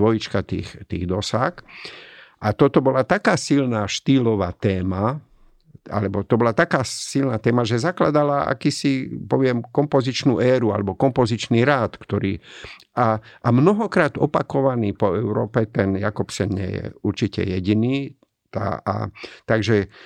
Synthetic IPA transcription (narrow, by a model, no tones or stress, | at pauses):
ʋɔjit͡ʃkat̪ḭːxt̪iːɣd̪ɔsax | ʔat̪ɔt̪ɔbɔlat̪akaːsilnaːʃt̪iːlɔʋaːt̪ɛːma | a̰lɛbɔt̪ɔbɔlat̪akaːsilnat̪ɛːmaʒɛzakla̰d̪alaa̰kiːsipɔʋɪɛmkɔmpɔzit͡ʃnṵːʔɛːɾua̰lɛbɔkɔmpɔzit͡ʃniːɾaːt̪kt̪ɔɾiː | aʔamnɔɦɔkɾaːd̪ɔpakɔʋaniːpɔɛʊɾɔ̰ːpɛt̪ɛnjakɔpsɛnɲɛ̰jɛ̰uɾt͡ʃicɛ̰jɛɟiniː | t̪a̰a̰t̪aɡʒɛ